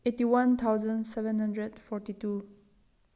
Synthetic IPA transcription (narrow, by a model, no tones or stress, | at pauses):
etiwãnt̪ʰawzə̃nsɛvɛ̃nhãndɹɛdfɔɹtitu